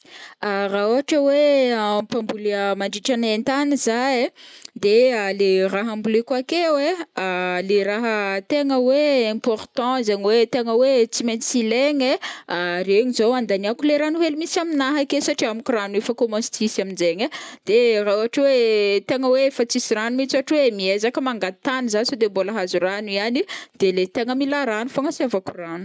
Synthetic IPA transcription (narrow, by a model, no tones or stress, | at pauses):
arauaʈ͡ʂəwepãmbulimaɳɖ͡ʐiʈ͡ʂanẽnt̪anizajd̪ealeraɦãmbulekwakewealeraɦət̪eŋəweɛ̃pɔrt̪ɑ̃zaɲwet̪eŋəwet͡simejnsileŋeareɲizoãnd̪aniakuleɾanuɦelimisaminaɦakesaʈ͡ʂiamikuɾanefəkomɔ̃st̪isaminzeɲəd̪̥eraaʈ͡ʂwet̪eŋəweefət͡sisiranumit͡saʈ͡ʂweemiezakəmaŋɡat̪anizansod̪eboləɦazuranuianid̪̥elet̪eŋəmilaɾanufaŋasiavakuranu̥